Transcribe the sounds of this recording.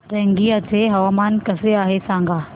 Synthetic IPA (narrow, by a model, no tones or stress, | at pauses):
ɾɐ̃ŋɡiɐt͡ɕeɦɐʋaːmaːnkɐzeaːɦesãːŋɡʱaː